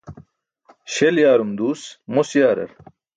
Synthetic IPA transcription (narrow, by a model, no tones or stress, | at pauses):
ɕeljaːɾumd̪uːsmusjaːɾɐ̰ɾ